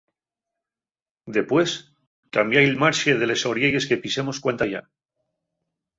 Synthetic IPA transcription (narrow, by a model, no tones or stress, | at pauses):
d̪e̞pwe̞s | kambjajlmaɾʃeð̞e̞le̞so̞ɾjeje̞ske̞pise̞mo̞skwant̪aja̰